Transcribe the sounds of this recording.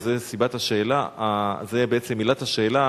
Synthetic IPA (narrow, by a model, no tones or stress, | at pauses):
zesibathaʃe̞ːlaazebeet͡semːilat̪haʃe̞ːla